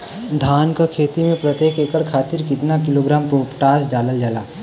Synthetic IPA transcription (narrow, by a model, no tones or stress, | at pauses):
d̪ʱaːnkakʰeːt̪imẽpɾɐt̪jeːkeːkəɭkʰaːt̪ɪɾkɪt̪nakɪloːɡɾaːmpopʈaːsɖaːləld͡ʒaːlaː